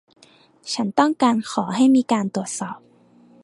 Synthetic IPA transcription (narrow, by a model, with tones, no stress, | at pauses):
t͡ɕʰa˦˥nt̪ɔ˥˩ŋkaː˧nxʰɔː˩˦ɦa˥˩jmiː˧kaː˧nt̪u˨˩ət̪̚sɔː˨˩p̚